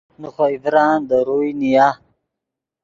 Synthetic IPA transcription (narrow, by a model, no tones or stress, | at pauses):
nuxoivɾaːnd̪əɾujnija